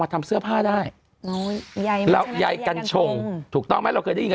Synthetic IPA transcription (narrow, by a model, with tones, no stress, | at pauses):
maː˧t̪ʰa˧msɯ˥˩ɐpʰaː˥˩daː˥˩j | ɾa˧wja˧jka˧nt͡ɕʰo˧ŋt̪ʰuː˨˩k̪̚ɔ˥˩mɛː˦˥˩ɾa˧wkʰɤː˧jda˥˩˨i˧